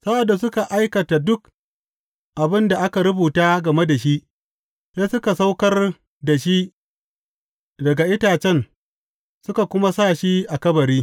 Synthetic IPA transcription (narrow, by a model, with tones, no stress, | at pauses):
sa˦ʔa˨dːa˨s̬ʊ˦ka˨ʔa˦jkɐ˨ta˨dʊ˦k̚ | ʔa˨bɪ˦nda˨ʔa˦ka˨ɾʊ˦buː˨taː˦ɡɐ˨me˦da˨ʃi˦ʔ | se˦sʊ˦ka˨sa˦wkɐ˦r | da˨ʃi˦ | dɐ˨ɡa˨ʔɪ˦taː˨t͡ʃɛ˦n | sʊ˦ka˨kʷʊ˦ma˦saː˦˨ʃi˦ʔa˨kɐ˦bɐ˨ɾiː˦